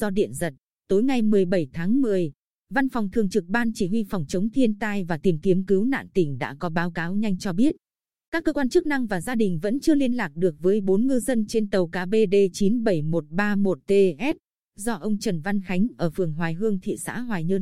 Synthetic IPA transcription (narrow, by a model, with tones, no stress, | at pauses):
zɔ˧ɗḭ˧˨ənzə˨˩t̚ | t̪o˨˦jŋa˨˩jmɨ˨˩əjjɓə˧˩jt̪ʰaː˨˦ŋmɨ˨˩əj | va˧nfɔ˨˩wŋ͡mt̪ʰɨ˨˩əŋt͡ɕɨ˨˩k̚ɓaː˧nt͡ɕi˧˩ɦwi˧fwŋ͡mt͡ɕə˨˦wŋ͡mt̪ʰi˧ənt̪aː˧jvaː˨˩t̪i˨˩mt̪i˨˦əmki˨˦wna̰ː˧˨nt̪ï˧˩ŋ̟ɗa̰ː˧˥kɔ˨˦ɓaː˨˦wkaː˨˦wɲa˧jŋ̟t͡ɕɔ˧ɓi˦˥ət̚ | kaː˦˥kːəː˧kwaː˧nt͡ɕɨ˦˥k̚na˧ŋvaː˨˩zaː˧ɗï˨˩ŋ̟və̰˧˥nt͡ɕɨ˧əli˧ənlaː˨˩k̚ɗɨ˨˩ək̚vəː˨˦jɓo˨˦nŋɨ˧zə˧nt͡ɕe˧nt̪ə˨˩wkaː˨˦ɓe˧ɗe˧t͡ɕi˨˦nɓə˧˩jmo˨˩t̚ɓaː˧mo˨˩t̚t̪e˧ʔɛ˦˥t̚ | zɔ˧ʔə˧wŋ͡mt͡ɕə˨˧˩nva˧nxa˨˦jŋ̟ʔəː˧˩fɨ˨˩əŋɦwaː˨˩jɦɨ˧əŋt̪ʰḭ˧˨sa̰ː˧˥ɦwaː˨˩jɲɨ˧n